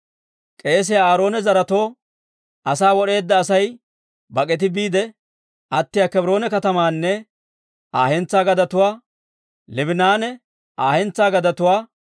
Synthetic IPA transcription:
kʼe̞ːs̬ɪjaaːɾo̞ːnɛzɐɾɐt̪o̞ː | ɐsaːwɔɗe̞ːd̪ːɐːsɐj | bɐkʼɛt̪̬ɪbiːd̪ɛ | ʔɐt̪ːɪjaːkɛbɾo̞ːnɛkɐt̪ɐmaːnːɛ | aːhɛnt͡sːaːɡɐd̪ɐt̪ʊwaː | lɪbɪnaːnɛ | ʔaːhɛnt͡sːaːɡɐd̪ɐt̪ʊwaː

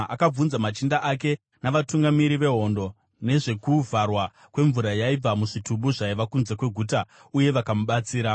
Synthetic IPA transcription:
akab͡vunzamat͡ʃindaʔak̬e̞ | naʋatuŋɡamiɾiʋe̞ɦo̞ndo̞ | ne̞ʐe̞kuvarwa | kwe̞ɱvuɾajaib͡vamuʐitubuʐaiʋakunze̞kwe̞ɡʱuta | uje̞ʋakamuɓat͡siːɾa

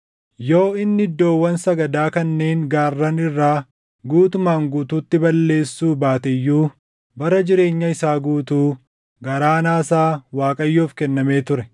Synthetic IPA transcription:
jo̞ːɪnːɪɪd̪ːo̞ːwːɐnsɐɡɐd̪aːkɐnːe̞ːŋɡaːrːɐnɪrːaː | ɡuːt̪ʊmaːŋɡuːt̪uːt̪ːɪbɐlːe̞ːsːuːbaːt̪ɛjːuː | bɐɾɐd͡ʒɪɾe̞ːɲːɐɪsaːɡuːt̪uː | ɡɐɾaːnaːsaːwaːkʼɐjːoːfkɛnːɐme̞ːt̪ʊɾɛ

